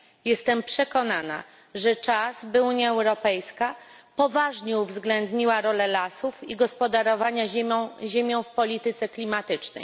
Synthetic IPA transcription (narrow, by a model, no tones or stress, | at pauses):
jɛst̪ɛmpʂɛkɔnana̰ | ʐɛt͡ʂazbɘuɲjaɛwɾɔpɛjskapɔvaʐɲɛuvzɡlɛnd̪ɲiwaɾɔlɛlasufiɡɔspɔd̪aɾɔvaɲaɔ̃ʑemʲjɔ̃w̃fpɔlʲit̪ɘt̪sɛklʲimat̪ɘt͡ʂnɛ̰j